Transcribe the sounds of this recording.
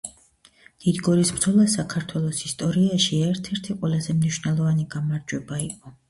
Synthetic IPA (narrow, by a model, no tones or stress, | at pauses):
d̪̥id̪ɡɔɾisbɾd̪zɔlˠasakʰaɾt̪ʰwɛlˠɔsist̪ʼɔɾiaʃiɛɾt̪ʰɛɾt̪ʰiqʼwɛlˠazɛmniʃwnɛlˠɔvaniɡamaɾd͡ʒwɛbaiqʼɔ